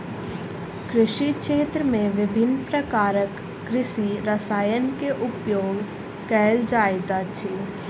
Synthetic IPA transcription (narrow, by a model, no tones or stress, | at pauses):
kɾɪʃiʃeːt̪ɾəmẽʋɪbʱɪnːpɾəkaːɾəkː | ɾɪʃiɾəsaːjənkeʔʊpjoːɡ | kɛːld͡ʒaːjt̪at͡ʃʰi